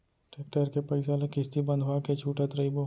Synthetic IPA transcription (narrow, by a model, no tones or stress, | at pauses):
ʈek̚ʈəɾkepɐɪsalekɪst̪ibɐ̃nd̪ʱʋaket͡ʃʰuːʈət̪ɾɐibo